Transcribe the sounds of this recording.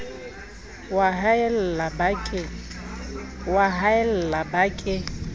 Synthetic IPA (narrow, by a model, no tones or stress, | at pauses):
waɦaɪl̩labakʼɪ | waɦaɪl̩labakʼɪ